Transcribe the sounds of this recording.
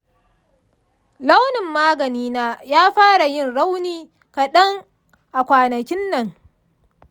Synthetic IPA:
la˦wnɪ˨mːaː˦ɡɐ˨niː˦naː˦jaː˦ɸaː˦ɽa˨jɪ˦nɽa˦wniː˨ | ka˨ɗɐ˦ŋ | ʔa˨kʷaː˨nɐ˨kʲɪ˦nːɐ˨ŋ

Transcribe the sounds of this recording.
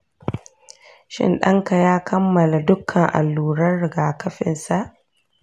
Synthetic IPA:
ʃɪ̰˦nɗɐ˦ŋka˨jaː˦kʰɐ˦mːɐ˨la˨dʊ˦kʰːɐ˨ŋʔa̰˨lːuː˨ɾɐ˦rɽɪ˨ɡaː˨kɐ˦ɸɪ̰˨nsa˨ʔ

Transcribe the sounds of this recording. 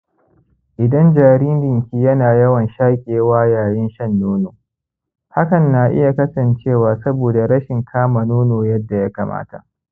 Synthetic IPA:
ʔɪ˨dɐ˦nd͡ʒaː˨ɽiː˦ndɪ˨ŋkʲiː˦jɐ˦naː˨jɐ˦wɐ˨nʃaː˦kʲʼeː˨waː˦jaː˨jɪ˦nʃɐ˦nːoː˦noː˨ | ha˦kɐ˨nːa˨ʔɪ̰˦ja˨kɐ˦sɐ˨nt͡ʃeː˦˨waː˨sɐ˦boː˨da˨ɽɐ˦ʃɪ˨ŋkʰaː˦ma˨noː˦noː˨jɐ˦dːa˨ja˦ka˨ma̰ː˦ta̰˨ʔ

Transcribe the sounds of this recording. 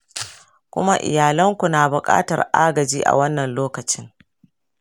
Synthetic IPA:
kʷʊ˦ma˦ʔɪ̰˨jaː˨lɐ˦ŋkʷu˨naː˨bʊ˨kʼa̰ː˦tɐ̰˨rʔaː˦ɡɐ˨d͡ʒiː˦ʔa̰˨wɐ˦nːɐ˨nloː˦kɐ˨t͡ʃɪ˦ŋ

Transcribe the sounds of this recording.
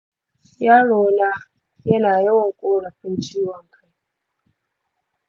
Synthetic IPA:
jaː˦ɽoː˨na˦ | jɐ˦naː˨jɐ˦wɔ˨ŋkʷʼoː˦ɽɐ˨ɸɪ˦nt͡ʃiː˦wɔ˨ŋkʰa˦j

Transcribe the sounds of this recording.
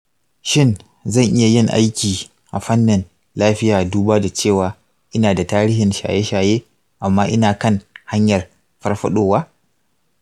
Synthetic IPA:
ʃɪ˦n | zɐ˦˨ŋʔɪ˦ja˨jɪ˦˨ŋʔa̰˦jkʲiː˨ | ʔa˨ɸɐ˦nːɪ˨n | laː˦ɸɪ˦jaː˨duː˦baː˦da˨t͡ʃeː˦˨waː˨ | ʔɪ˦naː˨da˨taː˦ɾiː˦ɦɪ˨nʃa̰ː˨je˦ʃaː˨jeː˦ | ʔa˨mːaː˦ʔɪ˦naː˨kɐ˦ŋha˦ɲjɐ˨r | ɸɐ˦rɸɐ̰˦ɗoː˦waː˦

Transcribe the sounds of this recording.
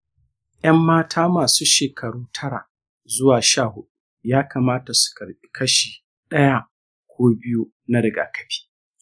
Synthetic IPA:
ʔɐ˦mːaː˦tʰaː˦maː˨suː˦ʃeː˨kʰɐ˨ɽuː˦tʰɐ˦ɽa̰˨ | zʊ˦waː˨ʃaː˦˨hʊ˦ɗu˦ | jaː˦kaː˨maː˦ta˨su̥˨kɐ˨ɽɓi˦kɐ˦ʃiː˨ | ɗɐ˦ja˦ | kʷoː˦bɪ˦ju˦ | na˦ɽɪ˨ɡa̰ː˨kɐ̥˨ɸi̥ː˦

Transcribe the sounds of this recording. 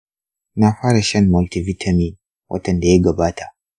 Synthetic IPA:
na˨ɸaː˦ɾa˨ʃɐ˦nmɔ˨lti˨vi˦tʰa˨min | wʔɐ̰˦tɐ˨nda˨jɛ˦ɡɐ˨baː˦tʰḁ˨

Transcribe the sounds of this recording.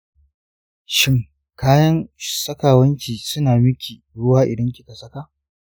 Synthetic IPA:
ʃɪ˦ŋ | kaː˦jɐ˦ŋsɐ˦kaː˨wɐ˦nt͡ʃʲiː˨sʊ˦naː˨mɪ˦kʲʰiː˨ɽʊ˦waː˦ʔɪ˨dɐ˦ŋkʲɪ˦ka˨sɐ˦ka˦

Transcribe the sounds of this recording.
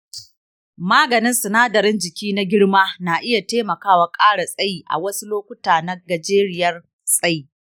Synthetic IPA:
maː˦ɡɐ˨nɪ˦nsɐ˨naː˦dɐ˨ɾɪ˦nd͡ʒɪ˨kʲiː˦na˦ɡʲɪ˦ɽmaː˦na˨ʔɪ˦ja˨teː˦mɐ˨kaː˦wa˨kʼaː˦ɽa˨sʼɐ˦jiː˨˦ʔa̰˨wɐ˦su˦loː˦kʷʊ˦taː˨na˦ɡa˨d͡ʒeː˦ɾɪ˦jɐ˦r | sʼɐ˦ji˦

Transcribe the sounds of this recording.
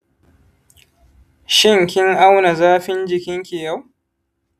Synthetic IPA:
ʃɪ˦˨ŋkʲɪ˦ŋʔa˦wna˨zaː˦ɸɪ˦nd͡ʒɪ˨kʲɪ˦ŋkʲeː˨ja˦w

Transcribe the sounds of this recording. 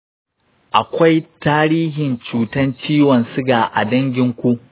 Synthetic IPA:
ʔa˨kʷa˦jtaː˦ɾiː˦ɦɪ˨nt͡ʃuː˨tɐ˦nt͡ʃiː˦wɐ˨nsʊ˦ɡaː˨ʔa̰˨dɐ˦ŋɡʲɪ˦ŋkʷu˦ʔ

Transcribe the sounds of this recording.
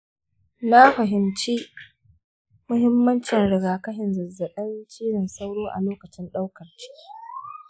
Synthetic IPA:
na˦ɸɐ˨ɦɪ˨mt͡ʃiː˦ | mʊ˦hɪ˦mːɐ˦nt͡ʃɪ˨nɽɪ˨ɡaː˨kɐ˦ɦɪ˨nzɐ˨zːɐ˨ɗɐ˦nt͡ʃiː˦nɪ˨nsa˦wɽoː˦ʔa̰˨loː˦kɐ˨t͡ʃɪ˦nɗa˦wkɐ˨rt͡ʃi̥˦ki˦

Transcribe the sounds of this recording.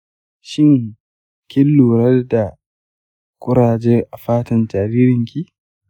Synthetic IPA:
ʃɪ˦ŋ | kʲɪ˦lːuː˨ɾɐ˦rda˨ | kʷʊ˦ɾaː˨d͡ʒeː˦ʔa˨ɸaː˦tɐ˨nd͡ʒaː˨ɾiː˦ɾɪ˨ŋkʲi˦

